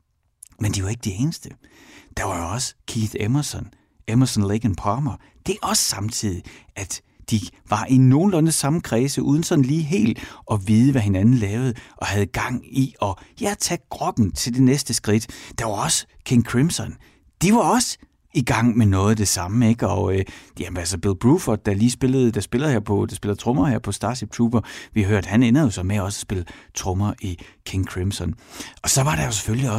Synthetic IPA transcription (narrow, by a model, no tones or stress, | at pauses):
mend̥iʋɑ̈e̝ɡ̥d̥ee̝ːnəsd̥əd̥ɑ̈ʋɑ̈joɒ̽sə̥kʰiːðˠemɐsɒn | emɐsɒnleɡ̥ənpʰɑːmɐ | d̥e̝ɒ̽sə̥sɑ̈mt͡sʰið̰ˠi | æd̥ | d̥iʋɑ̈ʔino̝ːn̩lɔnəsɑ̈məkʰʁɛːsəʔuːð̞ˠn̩sɒ̽n̩liːɦe̝̰ːld̥ɒ̽ʋiːð̞ˠəʋæɦe̝nænn̩lɛːʊð̩ˠʔɒ̽hæð̞̩ˠɡ̥ɑ̈ŋ̰iɒ̽jæt͡sʰæɡ̥ʁɒɡ̥n̩t͡sʰe̝ld̥e̝nesd̥əsɡ̥ʁid̥d̥ɑ̈ʋɑ̈ɒ̽sə | kʰeŋkʰʁimsɒn | d̥iʋɑ̈ɒ̽sə | iɡ̥ɑ̈ŋ̰menɔ̽ːð̞̩ˠd̥e̝sɑ̈məe̝ɡ̥ɒ̽øjæmnælsɐb̥elb̥ʁuːfɒd̥̚d̥ɑliːsb̥e̝lð̩ˠd̥ɑ̈sb̥e̝lɐheɐpʰɒ̽d̥ɑsb̥e̝lɐt͡sʰʁɔ̽mɐheɐ̰pʰɒ̽sd̥ɑ̈ːseb̚t͡sʰuːb̥ɐʋihɑ̈ɦøɐ̰d̥hænenɐðˠjo̝sɒ̽meæɒ̽sɒ̥sb̥e̝lət͡sʰʁɔ̽mɐʔikʰe̝ŋkʰʁimsɒnɒ̽sɒ̽ʋɑ̈ɾɑ̈jo̝s̬e̥føljiɒ̽